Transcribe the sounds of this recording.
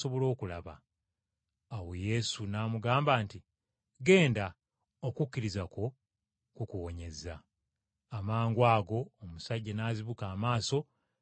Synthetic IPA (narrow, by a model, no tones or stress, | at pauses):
so̞βo̞lo̞ːkulaβa | aweje̞sunaːmuɡaːmbaːnti | ɡe̞ːnda | okukːiɾizako̞ | kukuwo̞ɲe̞zaː | maːŋɡwaːɡo̞ːmusaɟːanaːziβukaːmaːso̞